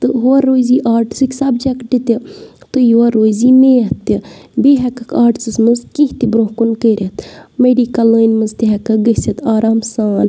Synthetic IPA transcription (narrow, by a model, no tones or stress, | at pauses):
t̪ɨɦoɐɾːoːziːʔaːɾʈsɨkʲsɐb̚d͡ʒɐkʈit̪it̪ɨjʋɐɾoːziːmeːt̪ibeːɦɛkɐkaːʈsɨsmɨzkiht̪ibɾõɦkunkəːɾʲʔɐt̪meɖiːkɐləːnmɨzt̪iɦɛkɐɡəsɐt̪aːɾaːmsaːn